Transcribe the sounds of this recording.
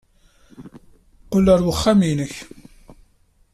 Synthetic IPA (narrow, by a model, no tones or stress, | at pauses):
qəlːəɾwəχːaminəç